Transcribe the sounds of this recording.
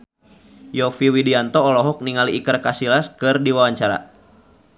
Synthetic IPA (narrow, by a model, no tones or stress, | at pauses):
jɔfiwidiant̪ɔːlɔɦɔk̚niŋaliːkərkasilaskɨrdiwawaɲt͡ʃaɾa̰